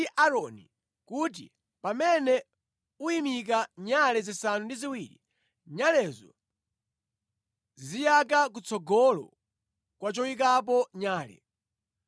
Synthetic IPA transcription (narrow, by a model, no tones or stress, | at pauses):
iʔaɾɔni | kut̬ḭ | pamɛnɛ | uimik̬aɲalɛzisanundiziwiɾḭ | ɲalɛzɔ̰ | zijak̬akut͡sʰɔɡɔlɔ̰ | kwat͡ʃɔwik̬ap̬ɔɲaːlɛ̰